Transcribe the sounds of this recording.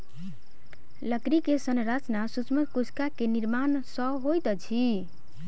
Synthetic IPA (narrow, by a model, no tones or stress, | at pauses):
ləkɾikesənɾat͡ʃnasut͡ʃmət̪kusʰkakeniɾmansəɦojt̪t͡ʃʰi